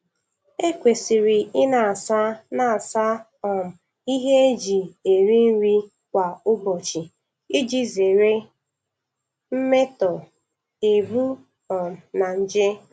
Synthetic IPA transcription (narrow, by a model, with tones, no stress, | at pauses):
e˦kʷe˨si˨ɾi˨ɪ˦na˨a˨sa˦na˨a˨sa˦ | ɔ˨m̩˨ | i˦ɦe˦e˦d͡ʒi˨e˨ɾi˦n̩˦ɾi˦ | kʷa˨ʊ˦bɔ˨t͡ʃi˨ | i˦d͡ʒi˦ze˨ɾe˦ | m̩˦me˦tɔ˨ | e˨bu˦ | ɔ˨m̩˨na˨n̩˦d͡ʒɪ˦